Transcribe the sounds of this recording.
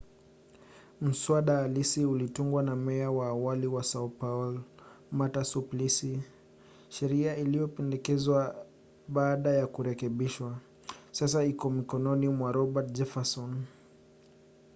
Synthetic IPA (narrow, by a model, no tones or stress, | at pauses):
m̩swaɗaːlisiulituŋɡwanamɛawaːwaliwasaupaul | matasuplisi | ʃɛɾiailijɔpɛndɛkɛzwa | ɓaːɗajakuɾɛkɛɓiʃwa | sas̬aikɔmikɔnɔnimwaɾɔɓat̚d͡ʒɛfasɔn